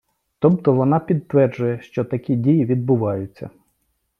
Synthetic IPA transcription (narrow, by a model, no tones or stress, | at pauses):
t̪ɔb̚t̪ɔʋɔnɑpʲid̪t̪ʋɛrd͡ʒʊjɛʃt͡ʃɔt̪ɐkʲidʲijiʋʲid̪̚bʊʋɑjʊt͡sʲːɐ̰